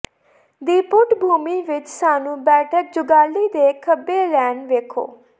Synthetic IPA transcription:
d̪iːpʊʈbʱuːmiːʋɪt͡ʃsaːnũːbɛːʈʰək̚d͡ʒʊɡaːlːiːd̪eːkʰəbeːlɛːnʋeːkʰo̰ː

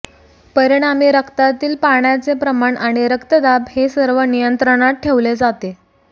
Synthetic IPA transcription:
pəɾiɽ̃amiːɾəkt̪at̪iːlpaɳjat͡sepɾəmaɳaɽ̃iɾəkt̪əd̪abhesəɾʋənijənt̪ɾəɽ̃at̪̚ʈʰeʋled͡zat̪e

